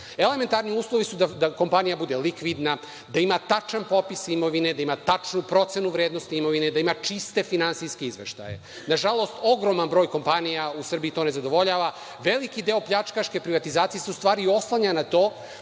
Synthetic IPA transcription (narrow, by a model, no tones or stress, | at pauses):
ele̞me̞nt̪aɾniuːslˠo̞ʋisud̪ad̪akompanijabud̪e̞likʋid̪na | d̪aimat̪at͡ʃanpo̞pisimo̞ʋine̞d̪aimat̪at͡ʂnupɾo̞t̪senuʋɾeːd̪no̞st̪iimo̞ʋine̞d̪aimat͡ʃist̪e̞finansijskeizʋeʃt̪a̰jḛ | naʒalˠo̞st̪o̞ɡɾo̞manbɾo̞ːjko̞mpanijausr̩biːt̪o̞ːne̞zad̪o̞ʋo̞ʎaːʋa | ʋe̞likid̪e̞o̞pʎat͡ʃkaʃke̞pɾiʋat̪izaːt̪sijeseust̪ʋaːɾio̞slˠaɲanat̪o̞ː